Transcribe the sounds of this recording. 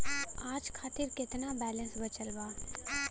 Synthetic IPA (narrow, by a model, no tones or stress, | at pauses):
aːd͡ʒkʰaːt̪ɪɾkɪt̪nabɛːlə̃nsbɐt͡ʃəlbaː